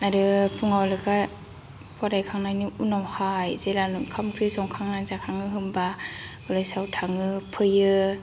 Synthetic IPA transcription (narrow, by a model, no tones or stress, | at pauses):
naɾɯpʰuŋawlɯɡa | pʰɔɾajkʰaŋnajnɯunawhajzelanɯkʰamkʰɾɯzɔŋkʰaŋnanzakʰaŋɯɦɯmba | ɯlajsawtʰaŋɯpʰɯjɯ